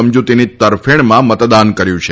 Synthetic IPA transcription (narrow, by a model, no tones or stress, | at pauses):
əmd͡ʒut̪init̪əɾfeɳ̃mãmət̪d̪ankəɾjũt͡ʃʰe